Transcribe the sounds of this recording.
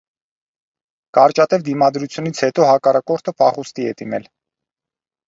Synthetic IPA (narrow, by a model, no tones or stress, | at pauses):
kɑɾt͡ʃɑt̪ɛvd̪imɑd̪ɾut͡sʰjunit͡sʰhɛt̪ɔhɑkɑrɑkɔɾt̪ʰəpʰɑχust̪iɛd̪inɛl